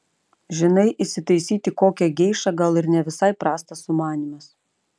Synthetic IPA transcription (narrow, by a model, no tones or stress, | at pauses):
ʒʲɪnɐɪʔɪsʲɪt̪ɐɪsʲiːt̪ʲɪkoːkʲɛɡʲɛɪʃɐɡɐlˠɪɾnʲɛʋʲɪsɐɪpɾɑːst̪ɐsʊmɑːnʲimɐs